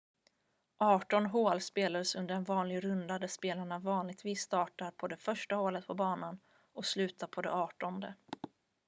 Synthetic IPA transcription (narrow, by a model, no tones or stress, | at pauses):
ʔɑːʈɔnɦoːlspeːlad̪əsɵnd̪əɾɛnvɑːnlɪɡɾɵnd̪ad̪æʂpeːlaɳavɑːnlɪɡ̚t̪viːsːt̪ɑːʈaɾpʰɔd̪ɛfœʂʈahoːlət̪̚pʰɔbɑːnan | ɔkslʉ̟ːt̪ʰaɾpʰɔd̪ɛ̰ɑːʈɔnd̪ə